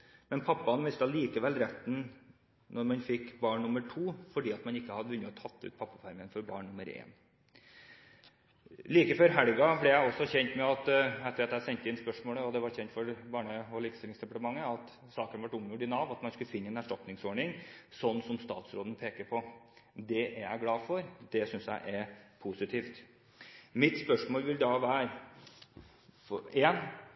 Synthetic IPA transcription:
mɛnpʰɑpːɑnʋɪst̪ɑliːkəʋɛlɾɛt̪ːn̩ | nɔɾmɑnfɪkbɑːɳnʊməʈʰuːfɔɖiːɑt̪mɑnɪkːəhɑd̪əʋʉnːəɔt̪ʰɑt̪ʰːʉ̰ːt̪̚pʰɑpːɑfɑɾmənfɔɾbɑ̰ːɳnʊməɾḛːn | liːkəføːɾɦæɽɡɑblɛjæɪɔsɔçɛnt̪mɛɑt̪æɛt̪ʰːɾɑt̪jæɪsɛnt̪əɪnspœʂmoːləɔd̪ɛʋɑɾçɛnt̪fɔɾbɑːɳəɔliːkst̪ɪlɪŋsd̪ɛpɑʈ̪əmɑŋːəɑt̪ | sɑːkənʋɑʈʊmʊɖɪnɑːʋɑt̪mɑnskʉlfɪnːəɛːnæʂʈɑp̪nɪŋsɔɳɪŋsɔnːsɔmst̪ɑ̰ːt̪sɾoːd̪ən̩pʰeːkəɾpʰɔd̪ɛʔææ̰ɪɡlɑːfɔɾd̪̥ɛsʏnsjæ̰ɪʔæɾpʰusɪt̪ʰiːft̪ | mɪt̪spœʂmoːlʋɪld̪ɑːʋæːɾ | eːn

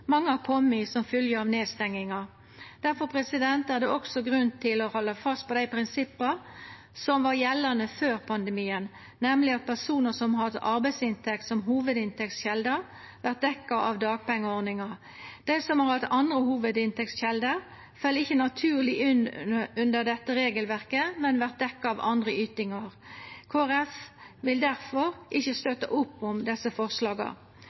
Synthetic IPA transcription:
mɑŋːəhɑkʰɔmːɪsɔmfʏljəɑʋneːd̪st̪ɛŋːɪŋɑ | d̪̥æɾfɔpʰɾɛsɪd̪ɛnt̪æɾd̪ɛʔɔksɔɡɾʉnt̪ʰɪlɔhɔlːɑfɑst̪̚pʰɔd̪æɪpʰɾɪnsɪpːəɾ | sɔmʋɑɾjɛlːɑnəføːɾpʰɑnd̪əmiːən | nɛmlɪɑt̪̚pʰæʁsuːnəsɔmhɑd̪ʔɑɾbæɪsɪnt̪ʰɛk̚t̪sɔmɦuːʋəd̪ɪnt̪ɛktsçɛld̪ə | ʋæʁt̪̚d̪ɛkːɑʔɑʋd̪ɑːɡ̚pɛŋːəɔʁnɪŋɑ | d̪̥æɪsɔmhɑʁhɑt̪ɑnd̪ʁəhuːʋəd̪ɪnt̪ɛktsçɛld̪əʁ | fœlːɪçːənɑt̪ʰʉːʁlɪʔʉnʉnd̪əʁd̪ɛt̪ːəʁeːɡəlʋæʁkəmɛnʋæʁt̪̚d̪ɛkːɑɑʋɑ̰nd̪ʁəyːt̪ɪŋɑʁkʰoːæʁɛfʋɪld̪æʁfɔʁʔɪçːəst̪øt̪əʔʊpːɔmd̪ɛsəfɔʁʂlɑːɡɑ̰

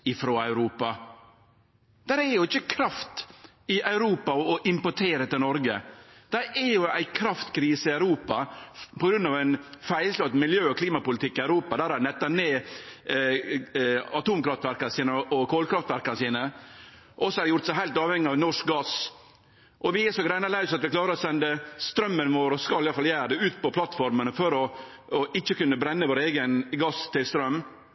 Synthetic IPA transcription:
ɪfɾoːɑʉɾuːpɑ | d̪̥æɾɛɾjʊɪçːəkʰɾɑft̪ | ɪʔœʉɾuːpɑɔʔɪmpɔʈʰeːɾət̪ɪlnɔɾɡəd̪̥æɛɾjʊæ̰ɪkʰɾɑft̪kʰɾiːsəɪœʉɾuːpɑpɔɡɾʉnːɑʋæɪnfæɪlslɑt̪mɪljøːɔkʰliːmɑpʊlɪt̪ʰɪkːɪœʉɾuːpɑd̪æɾɑnɛt̪ːɑneː | ɑt̪uːmkɾɑft̪ʋæɾkɑnəsiːnəɔʔɔkʰoːlkʰɾɑft̪ʋæɾkɑnəsiːnə | ʔɔsːɔɑɾd̪ɛjʊɾt̪sæɪɦæɪlt̪ɑːʋhɛŋːɪɑʋnɔʂk̚ɡɑs | ʔɔʋɪɛsɔɡɾæɪnɑlæʉsɑt̪ʋɪkʰlɑːɾəɾɔsɛnd̪əst̪ɾœmːənʋoːɾɔskɑlɪjɑləfɑljæːɾd̪ɛʉːt̪pɔpʰlɑt̪fɔɾmənəfɔɾɔː | ɪt͡ʃːəkʉnːəbɾɛnːəʋoːɾeːɡənɡɑst̪ʰɪlst̪ɾœmː

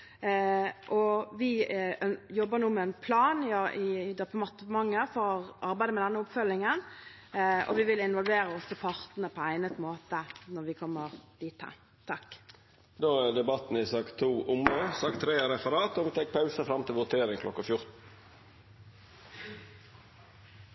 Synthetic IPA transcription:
ʔɔʋɪ | jɔbːəɾnuːmɛːnpʰlɑːnɪd̪ɑpəmɑt̪əmɑŋːəfoːɾʔɑɾbæɪd̪əmɛd̪ɛnːəʊpfœlɪŋən | ʔɔ̰ʋɪʋɪlɪnʋɔlʋeːɾəɔsɔpʰɑʁt̪nəpʰɔæɪnət̪moːt̪ənɔɾʋɪkʰɔmːəʁd̪̥iːt̪ʰːə̰ | t̪ʰɑk | d̪oːæd̪ɛbɑt̪n̩ɪsɑkt̪ʰːuːʔʊməsɑk̚t̪ʰːɾeːɾɛfəɾɑːt̪ɔʋt̪ʰɛk̚pʰɑʉsəfɾɑmt̪ʰɪlʋʊt̪ʰeːɾɪŋkʰlɔkːəfjʊɾt̪n̩

